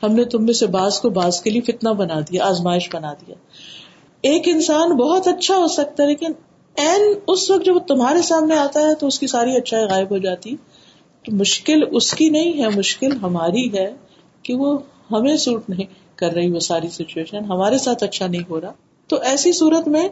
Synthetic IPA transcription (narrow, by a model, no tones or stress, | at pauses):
hɐmnet̪ʊmːẽsebaːzkobaːzkeliefɪt̪nabɐnad̪iaaːzmaːɪʃbɐnaːd̪ijaː | eːkɪ̃nsaːnbɐɦɔt̪ɐtːʃʰaɦoːsɐk̚t̪aɦɛleːkɪn | ɛːnʊsʋɐk̚t̪̚d͡ʒɐbt̪ʊmɦaːɾesaːmneaːt̪aɦɛt̪oʊskisaːɾiɐtːʃʰaːiɣaːɪbɦod͡ʒaːt̪iɦɛ | t̪omʊʃkɪlʊskinɐɦĩɦɛmʊʃkɪlɦɐmaːɾiɦɛ | keʋo | hɐmẽsuːʈnɐɦĩ | kɐɾːɐɦiʋosaːɾisɪt͡ʃueːʃənɦɐmaːɾesaːt̪ʰɐtːʃʰanɐɦĩɦoːɾaː | t̪oʔɛːsisuːɾət̪mẽ